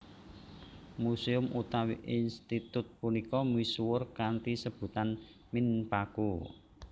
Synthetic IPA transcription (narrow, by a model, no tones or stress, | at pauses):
museʊmʔut̪awiʔinst̪it̪ʊt̪̚punikɔmisuwʊrkant̪isəb̥ṳt̪an | mɪnpaku